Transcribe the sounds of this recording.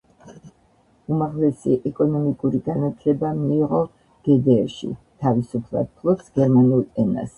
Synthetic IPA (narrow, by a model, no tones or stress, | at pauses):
umaʁlɛsiʔɛkʼɔnɔmikʼuɾiɡanat̪ʰlɛbamiːʁɔ | ɡ̥ɛd̪ɛːʃḭt̪ʰavisupʰlˠa̰d̪̥̚pʰlˠɔpsɡ̥ɛɾmanulˠɛna̰s